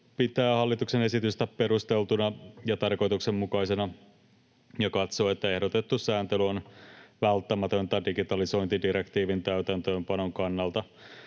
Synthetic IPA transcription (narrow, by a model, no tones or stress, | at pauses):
pit̪æːhɑlːit̪uksenesit̪yst̪æppeɾust̪elt̪unɑjɑt̪ɑrko̞jt̪uksemmukɑisenɑ | jɑkɑt̪so̞ːet̪ːæe̞hdot̪et̪ːusæːnt̪elyonʋælt̪ːæmæt̪ønt̪ɑdiɡit̪ɑliso̞int̪idiɾekt̪iːʋint̪æyt̪ænt̪ø̞ːmpɑno̞ŋkɑnːɑlt̪ɑ